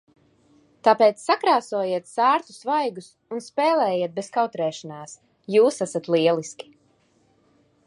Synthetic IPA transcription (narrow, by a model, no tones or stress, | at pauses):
t̪apɛːt̪sːakɾaːsuɔjiɛt̪saːɾt̪u̥svajɡus | unspɛːlˠɛːjiɛt̪̚beskawt̪ɾɛːʃanaːs | juːsasat̪lˠiɛlˠiskʲi̥